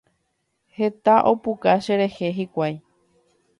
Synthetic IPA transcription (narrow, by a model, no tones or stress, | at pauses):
he̞t̪aʔo̞pukaʃeɾe̞he̞ɦikʷaj